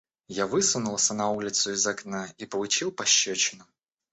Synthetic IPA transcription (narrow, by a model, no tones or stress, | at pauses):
javɨsʊnʊlˠəsʲənɐulʲɪt̪sʊɪzɐknaipəlˠʊt͡ɕilˠpɐɕːɵt͡ɕɪnʊ